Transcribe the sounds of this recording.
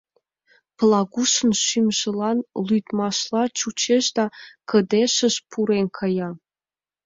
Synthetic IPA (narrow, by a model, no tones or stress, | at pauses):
plˠɑɣuʃə̆nʃymʒə̆lɑnlyjt̪mɑʃlɑt͡ɕut͡ɕeʃd̪ɑkə̆d̪eʃə̆ʃpʰuɾenʲkʰɤ̆jɑ